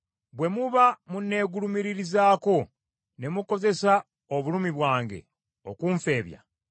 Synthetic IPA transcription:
bwe̞muβamunːe̞ːɡulumiɾiɾizaːko̞ | ne̞muko̞ze̞sa | oβulumiβwaːŋɡe̞̰ | okuːɱfe̞ːβja̰

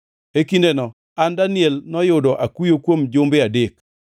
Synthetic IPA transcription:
ekindenɔ | andanɪɛlnɔjʊdɔʔakujokwomd͡ʒʊmbɪadek

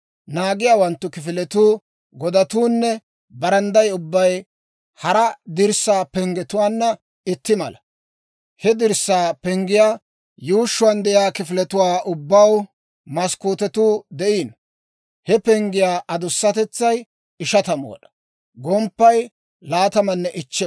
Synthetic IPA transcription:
naːɡɪjaːwɐnt̪ːʊkɪfɪlɛt̪uː | ɡɔd̪ɐt̪uːnːɛ | bɐɾɐnd̪ɐjʊbːɐj | hɐɾɐd̪ɪɾsːaːpɛŋɡɛt̪ʊwaːnːɐ | ɪt̪ːɪmɐlɐ | hɛd̪ɪɾsːaːpɛŋɡɪjaː | juːʃːʊwɐnd̪ɛjaːkɪfɪlɛt̪ʊwaːʔʊbːɐw | mɐskuːt̪ɛt̪uːd̪ɛʔiːn | hɛpɛŋɡɪjaːʔɐd̪ʊsːɐt̪ɛt͡sːɐj | ɪʃɐt̪ɐmo̰ːɗɐ̥ | ɡɔmpːɐj | laːt̪ɐmɐnːɛʔɪt͡ʃːɛ

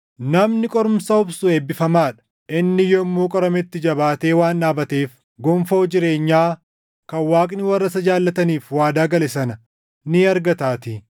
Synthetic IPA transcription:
nɐmnɪkʼɔɾʊmsɐʊbsʊeːbːɪfɐmaːᶑɐ̥ | ʔɪnːɪjɔɪmːuːkʼɔɾɐmɛt̪ːɪd͡ʒɐbaːt̪e̞ːwaːnːaːbɐt̪eːf | ɡɔmfo̞ːd͡ʒɪɾe̞ːɲːaː | kɐwaːkʼnɪwɐrːɐsɐd͡ʒaːlːɐt̪ɐniːfwaːd̪aːɡɐlɛsɐnɐ | nɪɐɾɡɐt̪aːt̪ɪ

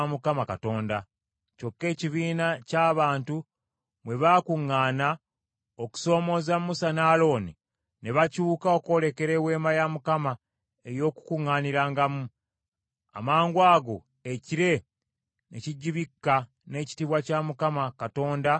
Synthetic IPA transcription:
mukamakato̞ːnda | co̞kːe̞ːciβiːnacaːβaːntu | mwe̞βaːkuŋːaːna | oku̥so̞ːmo̞zamːusanaːlo̞ːni | ne̞βacuːkao̞ko̞le̞ke̞ɾe̞we̞ːmajamukama | e̞jo̞ku̥kuŋːaːniɾaːŋɡamu | a̰maːŋɡwaːɡo̞ | eciɾe̞ | nʔe̞̰ciɟːiβikːa | ne̞ːci̥tiβwacamukamakato̞ːnda

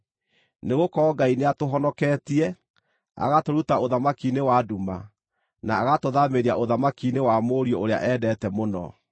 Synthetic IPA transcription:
neɣokɔːɡaineatoɦɔnɔkɛːtiɛ | a̰ɣatoɾutaoðamakinewaduma̰ | naːɣatoðameɾiaʔoðamakinewamoɾiɔʔoɾea̰ʔɛdɛtɛmonɔ̰

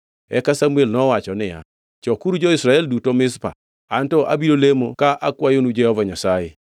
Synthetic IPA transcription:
ɛ̰kasamuelnɔwat͡ʃɔnɪja̰ | t͡ʃɔkuɾud͡ʒɔɪsɾaɛldutomɪspa̰ | antɔʔa̰biɾolemokaʔakwajonud͡ʒɛhɔvaɲasaje

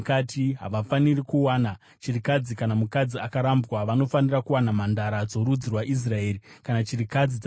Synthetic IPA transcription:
katiɦa̰ʋafanirikuwaːna | t͡ʃirikad͡zikanamukad͡ziakaɾambwaʋano̞fanirakuwanamandaɾad͡zo̞ɾud͡zirwaʔis̬rae̞ːɾikanat͡ʃirikad͡zid͡z

